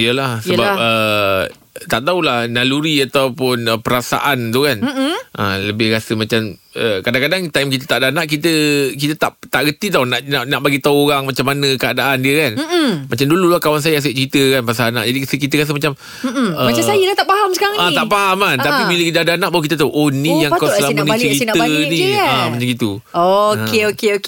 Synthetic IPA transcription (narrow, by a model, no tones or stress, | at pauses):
ijəlahsəbap̚ə | t̪aʔt̪aulahnaluɾiat̪awpʊnəpəɾasa̰ʔant̪ukanʔə̰ləbɪhɾasəmat͡ʃaməkadaŋkadaŋt̪ajmkit̪ət̪aʔdanaʔkit̪əkit̪ət̪aʔt̪aʔɡət̪it̪awnaʔnanaʔbaɡit̪auoɾaŋmat͡ʃamːanə̃kəadaʔandiəkanmat͡ʃamdululahkawans̬ajaas̬eʔ̚t͡ʃəɾit̪əkanpas̬ana̰ʔd͡ʒadiskit̪əɾas̬əmat͡ʃam | əmaasajəlaht̪aʔpaɦamsəkaɾaŋat̪aʔpaɦamant̪apibiləkit̪adanaʔbawk̬it̪̬ət̪aʔonːĩjaŋkasslamunit͡ʃɾit̪ənĩamat͡ʃamɡit̪u | okeokeok